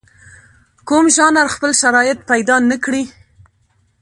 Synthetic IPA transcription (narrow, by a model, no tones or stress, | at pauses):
kumʒɑnaɾxpəlʃaɾɑjɪt̪̚pajd̪ɑnəkɽi